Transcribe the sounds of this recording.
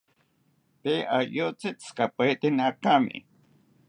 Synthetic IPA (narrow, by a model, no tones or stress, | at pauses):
peʔajot͡seskapet̪ɪnakamɪ̰